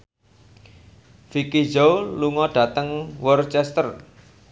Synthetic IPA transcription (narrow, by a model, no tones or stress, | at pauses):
fikid͡ʒowluŋɔɖ̥ä̤t̪əŋwɔrt͡ʃɛst̪ər